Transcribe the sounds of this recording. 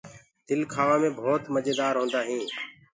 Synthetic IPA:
d̪ɪlkʰaːʋãːmẽːbʱoːt̪məd͡ʒeːd̪aːɾɦõːnd̪aːɦĩː

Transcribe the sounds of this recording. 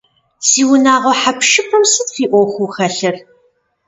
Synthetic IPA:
siːwʊnaːʁɐħapʃɨpʷʊmsɨdfiːʔʷɔxʷuxɐɬɨr

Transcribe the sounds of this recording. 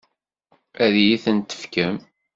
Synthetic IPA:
æðjiθənt̪ə̥fkəm

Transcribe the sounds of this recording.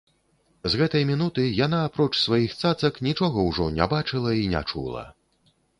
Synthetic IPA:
zɣɛt̪ɐjmʲinut̪ɨjanaːpɾɔt͡ʂsvajixt̪sat̪sɐknʲit͡ʂɔɣɐwʐɔnʲa̰bat͡ʂɨlˠɐinʲa̰t͡ʂṵlˠɐ̰

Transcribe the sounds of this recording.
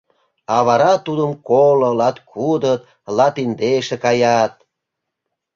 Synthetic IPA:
ɑβɑɾɑt̪ud̪əmkolŏlɑt̪kʰud̪ət̪̚ | lɑt̪ind̪eʃekɑjɑt̪̚

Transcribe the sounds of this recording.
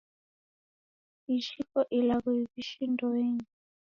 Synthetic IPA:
iʃikɔʔilaɣɔiβiʃindɔweːɲi

